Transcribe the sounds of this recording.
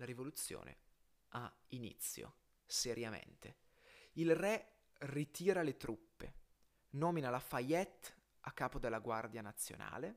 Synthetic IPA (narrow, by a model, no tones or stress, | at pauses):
laɾivolut̪sːjo̰ːnʔḛ | ʔa | inḭt̪sːjo̰ | seɾjamḛnt̪e | ilrɛ | rit̪iːɾalet̪ɾupːḛ | nɔːminalafajɛt̪ː | akːaːpod̪elːaɡward̪janat̪sːjo̰na̰ːle